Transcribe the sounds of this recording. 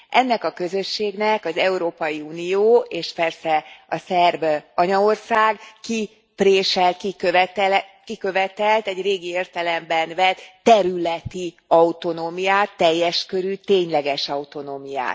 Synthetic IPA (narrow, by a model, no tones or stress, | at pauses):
ʔɛnːɛkɒkø̞zø̞ʃːeːɡnɛkɒzɛuɾoːpɒjiuːnijoːʔeːʃpɛrsɛɒsɛrbɒɲɒo̞rsaːɡki | preːʃɛlt̪kikøt̪ɛlkikø̞vɛt̪ɛlt̪ɛɟreːɡieːrt̪ɛlɛmbɛnvɛt̪ːɛɾylɛt̪i | ɒut̪o̞noːmijaːt̪ːɛjːɛʃkøɾyt̪eːɲlɛɡɛʃɒut̪o̞noːmija̰ːt̪